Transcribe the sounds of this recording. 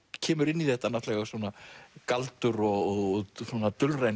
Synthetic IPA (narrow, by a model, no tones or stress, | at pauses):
cʰɛːmʏɾɪnːiθɛht̪ːanaft̪lɛɣasuːnakalt̪ʏɾɔɣɔɣsuːnat̪ʏlrejn